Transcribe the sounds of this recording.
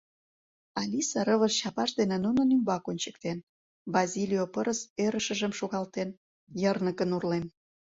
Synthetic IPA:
ɑlʲisɑɾəβəʃɕɑpɑʃd̪enenunənymbɑkonʲt͡ɕə̥k̚t̪en | bɑzʲilʲijopəɾəsøɾəʃə̆ʒəmʃoɣɑlt̪en | jərnəkənurlen

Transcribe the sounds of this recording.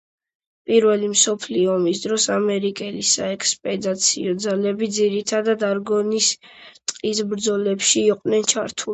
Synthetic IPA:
pʼiɾvɛlimsɔpʰliɔɔmisd̪ɾɔsamɛɾikʼɛlisaɛkʰʼspʼɛd̪at̪sʰiɔd̪zalɛbid̪ziɾit̪ʰad̪ad̪aɾɡɔnis | t̪ʼqʼisbɾd̪zɔlɛpʃiːqʼvnɛnt͡ʃʰaɾt̪ʰu

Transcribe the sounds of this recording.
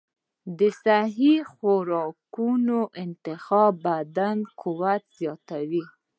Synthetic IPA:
d̪əsaɦixoɾɑkunoʔɪnt̪ɪxɑbad̪ankʰuwat̪z̥jɑt̪awi

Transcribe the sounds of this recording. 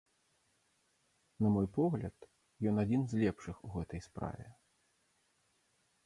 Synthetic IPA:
nɐmɔjpɔɣlʲɐt̪ | jɔnad͡zʲinzʲlʲɛpʂɨxuɣɛt̪ɐjspɾa̰vʲɛ̰

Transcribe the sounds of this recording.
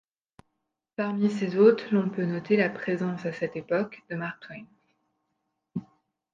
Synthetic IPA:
paʁmisezot̪χlɔ̃pønɔt̪elapχezɑ̃sasɛt̪epɔkd̪əmaʁk̚t̪ʰwɛjm

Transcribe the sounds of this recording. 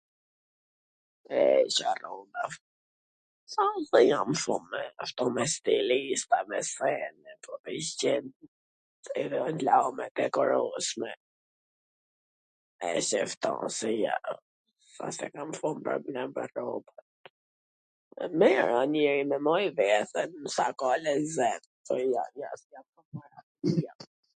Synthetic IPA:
ɛʃarɔnd̪af | sãsɛjãmfɔ̃mːɛft̪ɔmɛst̪ilist̪amɛsɛnɛpɔpist͡ʃɛn | ɛðɛɔnlaɔmɛd̪ɛkɔɾɔsmɛ | ɛ̰sɛft̪ɔ̰̃sɛja̰ | a̰sɛ̰kamfunpə̰ɾblambə̰rɔbɔt̪̚ | mɛɾanɛɾimɛmɔjvɛθɛnsakɔlɛzɛn | pɔjaja̰sjamfɔnmaɾa | ja

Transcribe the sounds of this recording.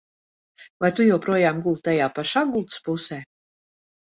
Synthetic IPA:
vajt̪ujɛwpɾuɔjaːmɡulˠt̪t̪ajaːpaʃaːɡulˠt̪spusɛː

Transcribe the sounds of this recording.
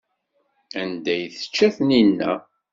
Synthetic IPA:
ænd̪æjθə̥t͡ʃːæθninːæ̰

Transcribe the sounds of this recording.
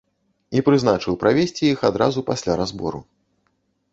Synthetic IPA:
ipɾɨznat͡ʂɨwpɾavʲesʲt͡sʲijixad̪ɾazupasʲlʲaɾazbɔ̰ɾṵ

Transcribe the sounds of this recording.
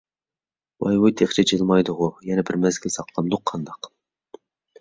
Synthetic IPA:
wɑ̰jwujt̪ʰeχt͡ʃʰɛt͡ʃʰelˠmɑjd̪ʊʁʊjɛnɛbɪɾmæzɡʲɛsɑqlˠɑmd̪ʊqʰːɑnd̪ɑq

